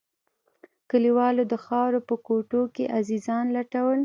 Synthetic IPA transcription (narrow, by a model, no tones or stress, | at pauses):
kəliwɑlod̪əxɑɾopəkoʈokeʔazizɑnlaʈawəl